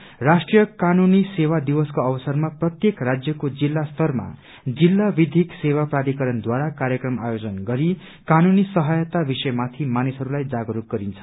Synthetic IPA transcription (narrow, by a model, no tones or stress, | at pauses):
rasʈrijʌkanunisewad̪ibʌskoʌbʌsʌrmaprʌt̪jekrad͡zjʌkod͡zilːast̪ʰʌrma̰ | d͡zilːabid̪ʱiksewaprad̪ikʌɾʌnd̪waɾakaɾjʌkrʌmajod͡zʌnɡʌɾi | kanunisʌɦʌjʌt̪abisʌjmat̪ʰimanisɦʌɾulajd͡zaɡʌɾuk̚ɡʌɾint͡sʰʌ̥